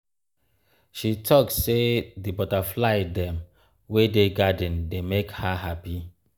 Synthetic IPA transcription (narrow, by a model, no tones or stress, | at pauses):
ʃitʰɔkssedibɔtaflaɪdɛ̃m | wedeɡadə̃ndemekhaɦapi